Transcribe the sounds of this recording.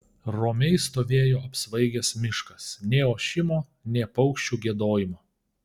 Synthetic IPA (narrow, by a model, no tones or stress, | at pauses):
ɾoːmʲɛɪst̪oːʋʲeːjoːɐpsʋɐɪɡʲɛsmʲɪʃkɐsnʲeːoːʃʲɪmoː | nʲeːpɒʊkʃʲt͡ʃʲuːɡʲiɛd̪oːjɪmoː